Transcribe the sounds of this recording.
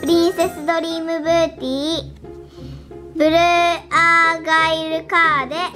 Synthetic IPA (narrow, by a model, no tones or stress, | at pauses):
pɯɾʲĩɰ̃se̞sɨd̪o̞ɾʲiːmɯ̟bɯt̪ʲiː | bɯ̟ɾɯaɡaiɾɯkaːd̪e̞